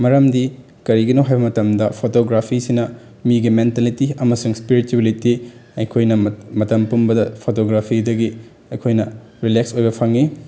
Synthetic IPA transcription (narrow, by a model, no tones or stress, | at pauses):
mɐɾɐmdi | kɐɾiɡinoɦajbɐmɐtɐmdɐpʰotoɡɾapʰisinɐ | miɡimentalitiɐmɐsuŋspiɾituwelitiɐjkʰojnɐmɐtɐmpumbɐdɐpʰotoɡɾapʰidɐɡi | ɐjkʰojnɐ | ɾileksojbɐpʰɐŋi